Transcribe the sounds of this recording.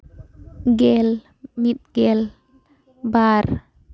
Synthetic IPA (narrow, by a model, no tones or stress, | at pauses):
ɡɛl | mit̪̚ɡɛl | bar